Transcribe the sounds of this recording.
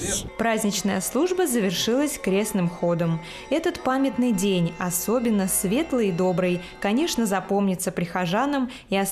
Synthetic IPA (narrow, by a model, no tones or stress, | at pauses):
pɾazʲnʲɪt͡ɕnəjəslˠuʐbəzəvʲɪrʂɨlˠəsʲkɾʲe̞snɨmxo̞d̪əm | ɛt̪ət̪pamʲɪt̪nɨjdʲenʲɐso̞bʲɪnːəsvʲe̞t̪lˠəjid̪o̞bɾɨj | kɐnʲeʂnəzɐpo̞mnʲɪt̪səpɾʲɪxɐʐanəm | iɐ